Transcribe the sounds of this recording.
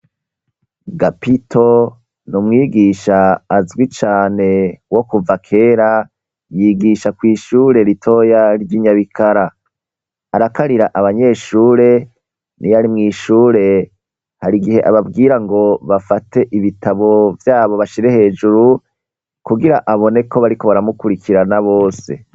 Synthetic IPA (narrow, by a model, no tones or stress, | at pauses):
ɡapitʰo̞ | numŋiːɡiʃaːzɡwit͡ʃaːne̞wo̞kuvakʰe̞ːɾa | jiːɡiʃakwiːʃuːɾe̞ɾitʰo̞ːjaɾɟiɲaβikʰaɾaː | ɾakaɾiɾaʔaβaɲe̞ːʃuːɾe̞ | nijaɾimŋiːʃuːɾe̞ | haɾiɡihe̞ʔaβabɡiːɾaŋɡo̞βafate̞ʔiβitaβo̞vjaːβo̞βaʃiɾe̞he̞ːd͡ʒuɾu | kuɡiɾaʔaβo̞ne̞kʰo̞βaɾiko̞βaɾamukuɾikʰiɾanaβo̞ːse̞̰